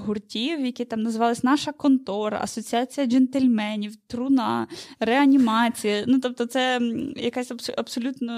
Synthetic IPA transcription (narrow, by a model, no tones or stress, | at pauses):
ɦʊrtʲiwjɐkʲit̪ɑmnɐzʋɑlˠɐsʲnɑʃɐkɔnt̪ɔɾɐ̰ʔɐ̰sɔt͡sʲiɑt͡sʲijɐd͡ʒɛnt̪elʲmɛnʲiwt̪ɾʊnɑɾeɐnʲimɑt͡sʲijɐnut̪ɔp̚t̪ɔt̪sɛjɐkasʲɐsɐpsɔlʲut̪nɔ